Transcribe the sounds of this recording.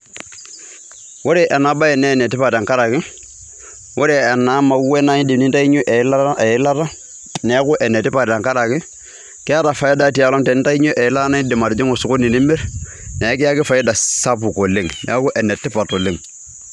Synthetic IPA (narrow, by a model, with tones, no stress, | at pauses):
wo˦ɾe˨ʔɛ˨na˨ba˦ɛ˨nɛ˦nɛ˨tɪ˦pa˨da˨ŋka˦ɾa˨kɪ˦ | wo˦ɾe˨ɛ˨na˨˦ma˨˦wɛ˦na˦ɲɪ˦dɪ˨ni˦nta˦i˦ɲo˦ʔɛ˨˦la˦ɛ˨ɪ˦la˦ta˦ | nɛ˨˦kʊ˦ʔɛ˨nɛ˨tɪ˦pa˨ta˨ŋka˦ɾa˨kɪ˦ | kɪ˦a˦ɾa˨fa˨ji˦da˨ti˨a˨lɔ˦ŋtɛ˨nɪ˦ta˦i˦ɲo˦ʔɛ˨ɪ˦la˦na˦ɲɪ˦dɪ˨ma˨ɾɪ˨d͡ʒɪ˦ŋo˨sʊ˨kʊ˦ni˨ni˦mɪ˦ɾ | nɛ˨˦kɪ˦a˦kɪ˦fa˨ji˦da˨sa˦p̬u˨ko˨le˦ŋnɛ̰˨˦kʊ˦ʔɛ˨nɛ˨tːɪ˦pa˨to˨le˨ŋ